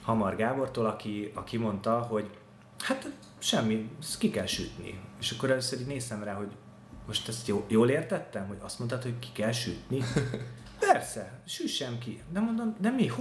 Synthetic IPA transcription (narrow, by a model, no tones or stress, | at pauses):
hɒmɒrɡaːbo̞rt̪oːlɒkiɒkimo̞nt̪ɒɦo̞ɟ | hat̪ | ʃɛmːikikɛlʃy̰t̪nḭeːʃɒkːo̞ɾɛløːsøɾiːɟneːst̪ɛmraːɦo̞ɟ | mo̞ʃt̪ɛst̪joːjoːleːrt̪ɛt̪ːɛmɦo̞ɟɒst̪mo̞nt̪ɑt̪ho̞ɟki̥kɛlʃyt̪ni | pɛrsɛʃyʃɛmkid̪ɛmo̞nd̪omd̪ɛmih